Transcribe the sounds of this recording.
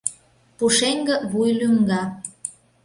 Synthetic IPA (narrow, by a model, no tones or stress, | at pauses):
puʃeŋɡə̆βujlyŋɡɑ